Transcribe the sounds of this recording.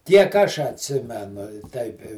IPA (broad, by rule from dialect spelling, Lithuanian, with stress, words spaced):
ˈtʲiɛk ˈɐʃ ɐtʲˈsʲɪmʲɛnʊ ɪ ˈtʲɛɪp ɪ